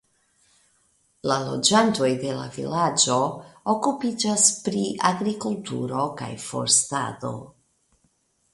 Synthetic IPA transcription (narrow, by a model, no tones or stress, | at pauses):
lalo̞d͡ʒanto̞jde̞la̰vḭlad͡ʒo̞okupid͡ʒaspɾiʔaɡɾikultṵɾo̞ka̰jfo̞̰ɾsta̰do̞̰